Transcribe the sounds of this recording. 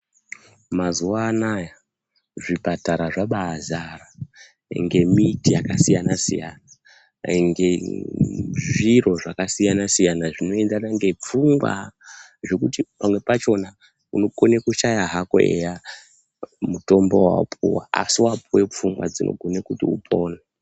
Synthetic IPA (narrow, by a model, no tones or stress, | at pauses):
mazuwaːnaja | ʐipataɾaʐaɓazara | ŋɡe̞mitijakasijanasḭja̰na | ŋɡe | ʐiro̞ʐakasijanasijanaʐino̞e̞ndanaŋɡe̞p͡fuŋɡwa̰ | ʐe̞kutipamwe̞pat͡ʃo̞na | uno̞konekuʃajaɦako̰ḛja | muto̞mbo̞wa̰pʰuwa̰a̰siwap̚uwe̞p͡fuŋɡwa̰d͡zinʔo̞̰ɡʱonekutiṵpʰoːna